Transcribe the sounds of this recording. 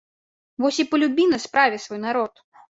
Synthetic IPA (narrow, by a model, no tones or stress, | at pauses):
vɔsʲipɐlʲubʲinɐspɾavʲɛsvɔjnaɾɔt̪